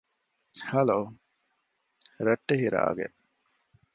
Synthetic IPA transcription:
hɐloː | ɾɐʈːehiɾa̰ːɡḛʔ

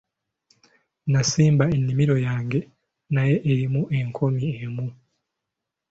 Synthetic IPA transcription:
nasiːmbaenːimiɾo̞jaːŋɡe̞ | naje̞ʔːɾimuʔe̞ŋkʰo̞miemu

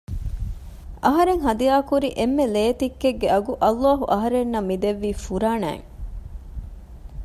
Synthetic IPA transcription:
ʔɐɦɐɾeŋɦɐd̪ijaːkuɾiʔemːeleːt̪ikːeɡːeɐɡuʔɐlːaːɦuʔɐɦɐɾenːɐmːid̪eʋːiːfuɾaːnæ̰ːŋ

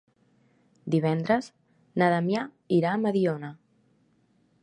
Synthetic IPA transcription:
d̪iβ̞ɛnd̪ɾəz | naðamja | iɾaːməðiona

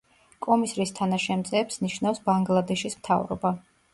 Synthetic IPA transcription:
kʼɔmisɾist̪ʰanaʃɛmt̪sʼɛːpsniʃnafsbaŋɡlˠad̪ɛʃismt̪ʰa̰vɾɔ̰ba

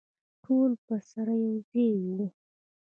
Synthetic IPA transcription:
ʈʰolpəsaɾajewd̪ewi

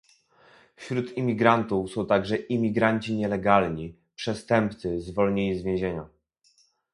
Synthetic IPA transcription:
fɕɾut̪imʲiɡɾant̪ufsɔ̃w̃t̪aɡʐɛʔimʲiɡɾaɲt͡ɕiɲɛlɛɡalɲi | pʂɛst̪ɛmp̚t̪sɘzvɔlɲeɲizvʲjẽʑeɲɔ̰

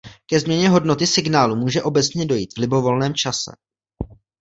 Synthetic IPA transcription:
kɛzmɲɛɲɛɦo̞dno̞t̪ɪsɪɡnaːlumuːʒɛʔo̞bɛt͡sɲɛdo̞jiːt̪vlɪbo̞vo̞lnɛːmt͡ʃasɛ̰

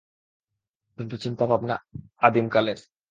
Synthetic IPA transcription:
punt̪ot͡ɕint̪abʱabna̰ad̪imkaleɾ

